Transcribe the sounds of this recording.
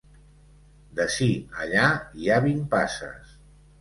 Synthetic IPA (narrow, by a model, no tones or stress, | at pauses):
d̪əʃiəʎaiaβimpasə̰s